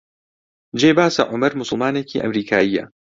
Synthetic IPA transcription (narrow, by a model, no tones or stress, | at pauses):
d͡ʒeːbaːsɐ̰ʕʊmɐɾmʊsʊlˠmaːneciːʔɐ̰mɾiːkʰaːijɐ̰